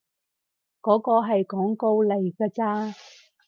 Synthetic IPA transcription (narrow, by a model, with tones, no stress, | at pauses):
kɔː˨˥kɔː˧ɦɐ˨jkɔː˨˥ŋko˧wle˨˩jkaː˧t͡saː˧